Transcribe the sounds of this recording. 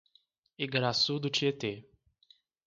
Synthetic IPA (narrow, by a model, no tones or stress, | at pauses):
iɡɾasud̪ʊt͡ʃiet̪e